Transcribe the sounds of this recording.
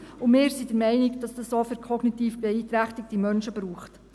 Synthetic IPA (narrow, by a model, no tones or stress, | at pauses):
ʊmɪːɾsidəɾmɛɪnɪkd̥ɑsd̥ɑssoːfəɾkʰɔɡnitiːfb̥ɛiːtɾæχtɪk̚timœnʃəbɾuːχt